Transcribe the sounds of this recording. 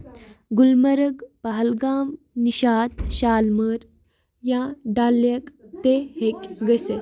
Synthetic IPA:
ɡulmɐɾɐɡpaɦɐlɡaːm | niʃaːt̪ɕaːlməɾ | jãːɖaːljɐkt̪ehekʲɡɐse

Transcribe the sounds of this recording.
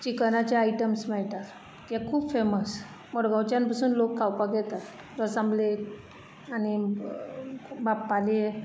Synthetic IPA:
t͡ɕikənat͡ɕaaiʈəmsmɛɭʈ̪at̪ | t̪jakʰuːbfeməs | mɔɽɡãwt͡ɕjanpasuːnlokʰːawpaɡɛt̪at̪ | əsamble | ani | bapːale

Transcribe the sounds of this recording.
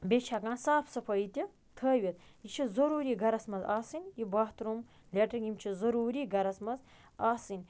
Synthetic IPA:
bʲet͡ʃʰakãːnsaːpʰsɐpʰɐit̪ʲi | t̪ʰəːʋʲit̪jit͡ʃʰizɐɾuːɾiːɡɐɾɐsmɐzaːsɨnʲjibɐɦt̪ɾum | lʲeʈɐɡimt͡ʃʰizɐɾuːɾiːɡɐɾɐsmɐz | aːsɨnʲ

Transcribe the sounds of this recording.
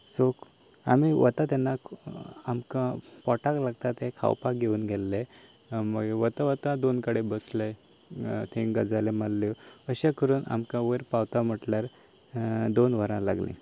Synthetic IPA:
sok | a̰miʋə̰t̪at̪ɛnːa | amkãpɔʈaklaɡt̪at̪ẽkʰa̰wpak̚ɡʱeuːnɡʱelːe | məɡeʋət̪aʋət̪ãd̪onkəɽebəsləj | t̪ʰẽɡəd͡zalemalːjɔəɕãkəɾuːna̰mkãʋəɾpawt̪am̤əʈljaɾ | d̪onʋəɾãla̰ɡlḭ̃

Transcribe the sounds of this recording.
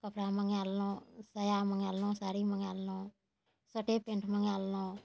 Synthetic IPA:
kəpɾaːməŋaːlnõːsəjaːməŋaːlnõːsaːɾiːməŋaːlnõː | səʈeːpẽɳʈʰməŋaːlnõː

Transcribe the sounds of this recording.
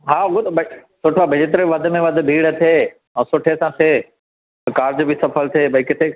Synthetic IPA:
ɦaːt̪bɐsʊʈʰabɪd͡ʑet̪ɾʋɐd̪ʱʊ̆mẽʋɐd̪̆ʱbʱiːɽət̪ʰeː | ɛ̃ːsʊʈʰesãt̪ʰeː | kaːɾd͡ʑbɪsɐpʰəlt̪ʰeːbʱɐikɪt̪ʰe

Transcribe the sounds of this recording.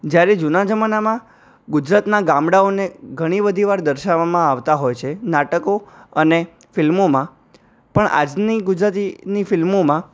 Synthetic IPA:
d͡ʒjaɾed͡ʒunad͡ʒəmanamã | ɡʊd͡ʒɾat̪naɡãmɽaoneɡʱəɽ̃ibəd̪ʱiʋaɾd̪əɾʃaʋamãaʋt̪aɦojt͡ʃʰenaʈəkoəne | fɪlmomã | pəɳʔa̰d͡ʒniɡʊd͡ʒɾat̪inifɪlmomã

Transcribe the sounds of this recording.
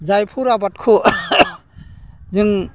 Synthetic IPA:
zajpʰuɾabat̚kʰu | zɯŋ

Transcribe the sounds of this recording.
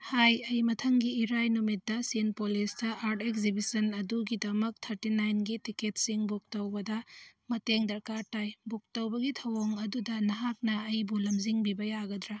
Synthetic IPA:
hajɐjmɐtʰɐŋɡiːɾajnumit̚dɐsinpolisdɐʔaɾtekzibisɐnɐduɡidɐmɐk̚t̪ʰɐɾtinajnɡitiketsiŋbuk̚tɐwbɐdɐmɐteŋdɐɾkaɾtajbuk̚tɐwbɐɡitʰɐwoŋɐdudɐnɐɦak̚nɐɐjbulɐmziŋbibɐjaɡɐd̪ɾa

